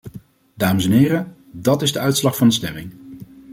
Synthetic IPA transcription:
daːməsɛnɦɪːɾə | dɑtɪzdəœɥtslɑχfɑndəstɛmɪŋ

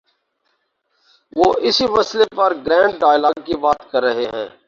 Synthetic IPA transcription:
ʋoːʔɪsimɐslepɐɾɡɾɛ̃ːɳɖɖaːɪlaːɡ̚kibaːt̪kɐɾːɐɦeɦɛ̰̃ː

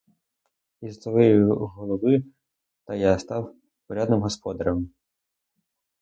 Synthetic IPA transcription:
izt̪ɔʋɪjʊɦɔlˠɔbɪ | t̪ɐjast̪ɑw | pɔɾʲad̪nɪmɦɔspɔd̪ɐɾɐm

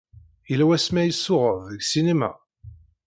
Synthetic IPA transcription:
əlæwæsmæjəsːʊʁəvɡsinemæ̰

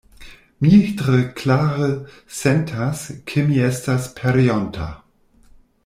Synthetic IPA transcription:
mitʁəkʰlaːʁə | sɛntʰaskʰəmiɛstaspʰɛɾiontʰa̰

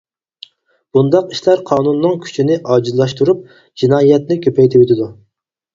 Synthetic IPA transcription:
b̥und̪ɑqiʃlæɾqʰɑːnunːɨŋkʲʰy̥t͡ʃʰinɪʔɑːd͡ʒizlˠɑʃt̪uɾup̚ | d͡ʒinɑːjɛt̪nɪkʲʰøpʰɛjt̪ʰɪbøt̪ʰɪd̪u

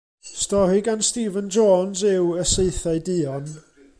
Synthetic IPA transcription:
stɔɾiɡanstiːvənd͡ʒoːnsɪwəseɨθaɨdɪːɔn

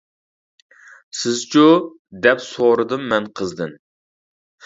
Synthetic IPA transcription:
sɪzt͡ʃʰu | d̪ɛpsoɾɨd̪ɨmːɛnqʰəzd̪ɨn

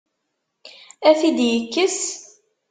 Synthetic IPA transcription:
æθid̪jəkːəs

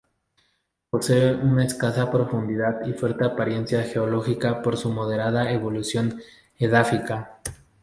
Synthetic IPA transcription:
po̞se̞eunaeskasapɾo̞fund̪iðaðifwe̞ɾt̪eapaɾje̞nsjaxe̞olo̞xikapo̞ɾsumo̞ð̞e̞ɾaðaeβo̞lusjo̞n | eðafika

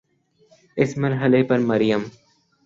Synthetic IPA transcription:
ɪsmɐɾɦəlepɐɾmɐɾjəm

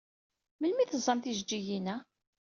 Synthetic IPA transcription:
məlmiθəzˤːɑmt̪iʒd͡ʒːijinæ

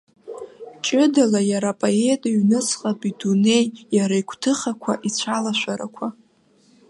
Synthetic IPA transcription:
t͡ʃʼɪdalajaɾapʼoe̞tʼiɥnɨt͡sʰʼqʼapʼidune̞jjaɾaikʷʰʼtʰɨχakʷʰaʔit͡ɕʷʰalaʃʷaɾa̰kʷʰa

